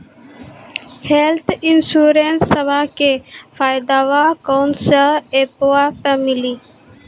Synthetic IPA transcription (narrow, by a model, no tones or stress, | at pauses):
helt̪ʰinsuːɾensːəbʱakefʰaːjd̪aʋakawnsəlepoapəmili